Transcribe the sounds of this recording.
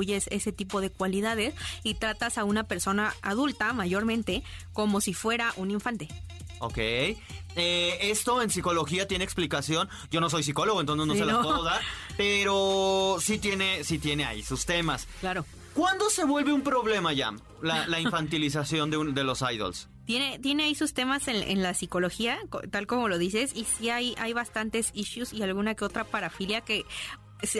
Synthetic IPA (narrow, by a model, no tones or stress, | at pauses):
uʝese̞set̪ipo̞ð̞e̞kwaliðaðe̞sit̪ɾat̪asaunape̞ɾso̞naaðult̪amaʝo̞ɾmẽnt̪e̞ko̞mo̞sifwe̞ɾaʔunĩɱfant̪e̞ | o̞̰kej | ee̞st̪o̞e̞nsiko̞loxiat̪je̞neːksplikasjo̞n | ɟ͡ʝo̞no̞s̬o̞js̬iko̞loɣent̪ons̬eznoseloooɣape̞ɾosit̪je̞ne̞sit̪je̞ne̞a̰isust̪e̞masklaɾo̞ | kwand̪o̞se̞βwe̞lβeumpɾo̞βle̞maʝa̰m | lalaĩmfant̪̬ilis̬asjo̞nd̪eud̪e̞lo̞sajðo̰ls | t̪jene̞t̪je̞ne̞aisust̪e̞masenʔḛnlasiko̞lo̞xiako̰t̪alko̞mo̞lo̞ðise̞sisiajajβast̪ant̪e̞siʃjusialɣunakeo̞t̪ɾapaɾafiljake̞ | s